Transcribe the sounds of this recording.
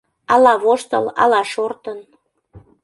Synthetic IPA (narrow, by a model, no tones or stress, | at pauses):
ɑlɑβoʃt̪ə̰lɑ̰lɑʃort̪ən